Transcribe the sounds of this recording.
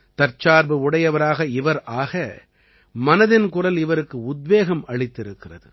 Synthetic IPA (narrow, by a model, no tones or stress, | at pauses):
t̪ɐɾt͡ʃaːɾbɯʊɽɐjɐʋɐɾaːɣɐɪʋɐɾʔaːɣɐ | mɐnɐðɪnkʊrɐlɪʋɐɾɯkːɯʊd̪ʋeːɣɐmɐɭɪt̪ːɪɾɯkːɪrɐ̰ðɯ̰